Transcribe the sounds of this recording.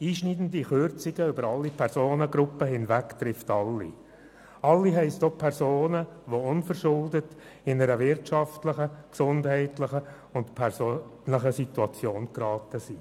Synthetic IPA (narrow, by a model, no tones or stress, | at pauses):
iːʃnidn̩diχʏɾt͡sɪɡ̥əʏbəɾɑlːipʰɛɾsoːnəɡɾʊpːəɦɪnvæktɾɪftɑlːḭ | ɑlːiɦɛɪstopʰɛɾsoːnəʋoʊnfəɾʃʊldət | ɪnəɾəʋɪɾtʃɑftləχəksʊndɦɛɪtləχə | ʊntpʰɛɾsonləχəsituɑt͡sjoːnkɾɑːtəsi